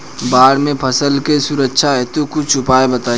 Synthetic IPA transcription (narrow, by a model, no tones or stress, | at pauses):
baːɽmẽpʰəsəlkesuɾəkːʃʰaɦɛt̪okʊt͡ʃt͡ʃʰʊpaːebət̪aː